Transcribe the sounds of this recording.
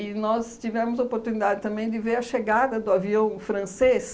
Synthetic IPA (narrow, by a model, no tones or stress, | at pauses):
ɪnɔst͡ʃivɛ̃mʊzɐopoɾt̪unid̪ad͡ʒɪt̪ɐ̃mbẽj̃d̪ɪveɾɐʃeɡad̪ɐd̪ʊaviɐ̃w̃fɾɐ̃ses